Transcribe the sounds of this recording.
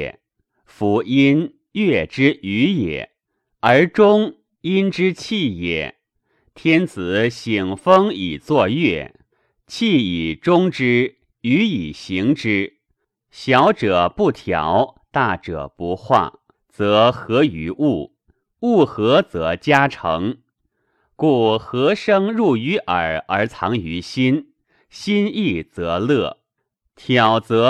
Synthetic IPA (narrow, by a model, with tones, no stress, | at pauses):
fu˧˥i˥n | jɛ˥˩ʈ͡ʂɻ̩˥ʔy˧˥jɛ̰˨˩˦ | ə˞˧˥ʈ͡ʂʊ˥ŋ | i˥nʈ͡ʂɻ̩˥t͡ɕʰi˥˩jɛ̰˨˩˦ | t̪ʰjɛ˥nt͡sʰɹ̩˧˩˦ɕi˨˩ŋfɤ˥ŋi˨˩t͡swɔ˥˧jɥɛ˥˩ | t͡ɕʰi˥˩i˨˩ʈ͡ʂʊ˥ŋʈ͡ʂɻ̩˥ | y˧˥i˨˩ɕi˧˥ŋʈ͡ʂɻ̩˥ | ɕjɑ˧˥ʊʈ͡ʂɤ˨˩pu˥˩t̪ʰjɑ̰˨˧˩ʊt̪a˥˩ʈ͡ʂɤ̰˨˩pu˧˥xwa̰˥˩ | t͡sɤ˧˥xɤ˧˥y˧˥u˥˩ | u˥˩xɤ˧˥t͡sɤ˧˥t͡ɕja˥ʈ͡ʂʰɤ˧˥ŋ | ku˥˩xɤ˧˥ʂɤ˥ŋɻu˥˩y˧˥ʔə˞˨˩ə˞˧˥t͡sʰɑ˧˥ŋy˧˥ɕi˥n | ɕi˥ni˥˩t͡sɤ˧˥lɤ˥˩ | t̪ʰjɑ˨˩ʊt͡sɤ˧˥